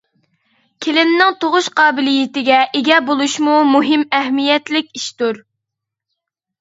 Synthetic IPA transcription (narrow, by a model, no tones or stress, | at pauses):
kʲʰelɪnnɪŋt̪ʰoʁʊʃqʰɑːbɪlijɪt̪ɪɡʲɛʔɪɡʲɛbolˠuʃmumuɦɪmɛɦmijɛt̪lɪkʲiʃt̪uɾ